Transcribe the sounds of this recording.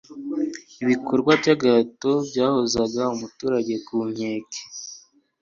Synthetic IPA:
iβikʰoɾɡwabɟaɡaːto̞bɟaːhozaɡaumutuːɾaɟe̞kuːmɲeːke̥

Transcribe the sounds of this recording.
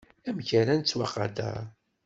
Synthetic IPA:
æmçæɾænt͡sːwaqɑd̪æ̰

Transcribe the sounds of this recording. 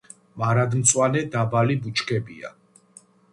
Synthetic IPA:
maɾad̪mt̪sʼwanɛd̪abalibut͡ʃʰkʰɛbia̰

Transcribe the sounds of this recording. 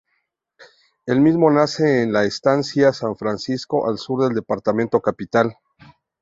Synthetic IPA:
elmizmo̞nase̞ːnlaest̪ansjasaɱfɾansisko̞ʔalsuɾðe̞ld̪e̞paɾt̪amẽ̞nt̪o̞kapit̪al

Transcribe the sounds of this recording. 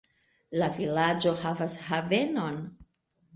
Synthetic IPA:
lavilad͡ʒo̞havashave̞no̞n

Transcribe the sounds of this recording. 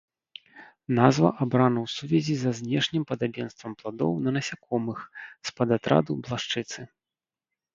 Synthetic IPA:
nazvɐ̰ʔabɾanɐwsuvʲɛzʲizɐzʲnʲɛʂnʲimpɐd̪abʲɛnst̪vɐmplˠad̪ɔ̰wnɐnɐsʲakʰɔmɨxspɐd̪at̪ɾa̰d̪ublˠaʂt͡ʂɨt̪sɨ

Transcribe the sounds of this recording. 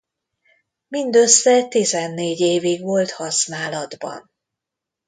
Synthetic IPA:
mind̪øsːɛt̪izɛnːeːɟeːviɡʋo̞lt̪hɒsnaːlɒd̪bɒ̰n

